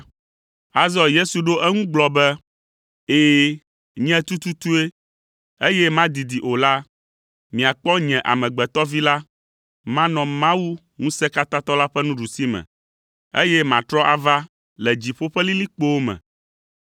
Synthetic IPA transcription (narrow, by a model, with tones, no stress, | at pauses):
a˦zɔ˦je˦su˨ɖo˦ʔɛ˦ŋũ˦ɡ͡blɔ˨bɛ˦ | eː˨ | ɲɛ̃˦t̪u˦t̪u˦t̪u˦e˦ | e˦jɛ˦mã˦d̪i˨d̪i˨ʔo˨la˦ | mĩ˨a˨k͡pɔ˦ɲɛ̃˨ʔa̰˨mɛ̃˨ɡ͡bɛ˨t̪ɔ˦vi˦la˦ | mã˦nɔ̃˨mã˦wu˦ | ŋũ˦sɛ˦ka˦t̪ã˦t̪ɔ˦la˦ɸɛ˦nũ˦ɖu˨si˦mɛ̰̃˨ | ḛ˦jɛ˦mã˨t̪ɾɔ˦ʔa˨va˦ | lɛ˨d͡ʑi˨ɸo˦ɸɛ˦li˦li˦k͡po˦wo˦mɛ̰̃˨